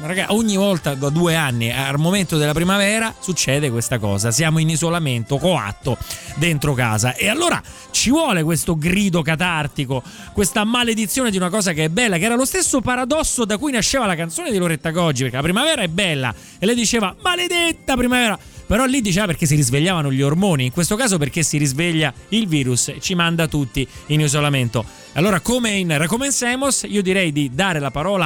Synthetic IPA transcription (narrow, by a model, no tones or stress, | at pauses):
ɾaɡaʔoɲːivɔlt̪ad̪ad̪ueanːia̰lmoment̪od̪elapɾimavɛːɾasut͡ʃːɛːd̪ekwest̪akɔ̰ːzasjaːmoinizolament̪okoa̰t̪ːod̪ent̪ɾoka̰ːzaʔealːoːɾa̰ | t͡ʃivwɔːlekwest̪oɡɾiːd̪okat̪art̪iko | kwest̪amaled̪it̪sːjoːned̪iunakɔːzakeɛbːɛlːakeɛːɾalost̪esːopaɾad̪ɔsːod̪akujnaʃːeːvalakant̪soːned̪iloɾet̪ːaɡɔd͡ʒːipeɾkelapɾimavɛːɾaɛbːɛlːa̰ | elːɛjd̪it͡ʃeːvamaled̪et̪ːapɾimavɛːɾa | peɾɔlːid̪ːit͡ʃeːvapeɾk̟es̬iɾizveʎːaːvanoʎiormoːniːŋkwest̪okaːzoperk̟esːiɾizveʎːailviːɾuset͡ʃimand̪at̪ut̪ːiinizolament̪o | alːoːɾakomeinrakomensɛmosiːod̪iɾɛjd̪id̪aːɾelapaɾɔːla